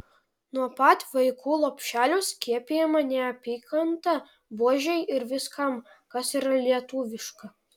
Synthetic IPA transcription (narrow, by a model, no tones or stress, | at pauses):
nuɔpɐt̪ʲʋɐɪkuːlˠoːpʲʃʲæːlʲʊskʲiɛpʲɪjɛmɐnʲɛɐpʲiːkɐnt̪ɐ | buɔʒʲɛɪʔɪɾʋʲɪskɐm | kɐsiɾɐlʲiɛt̪uːʋʲɪʃkɐ